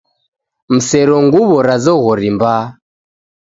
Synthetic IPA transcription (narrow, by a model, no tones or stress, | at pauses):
m̩sɛɾɔŋɡuβɔɾazɔɣɔɾimba